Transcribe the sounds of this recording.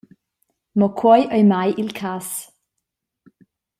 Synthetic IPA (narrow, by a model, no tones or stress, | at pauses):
mɔkʰwɔjʔœjmajʔɪlkʰas